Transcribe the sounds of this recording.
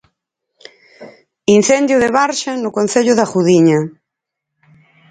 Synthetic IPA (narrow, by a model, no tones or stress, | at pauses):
in̟θend̪jʊðeβaɾʃanʊkon̟θeʎʊðaxuðiɲa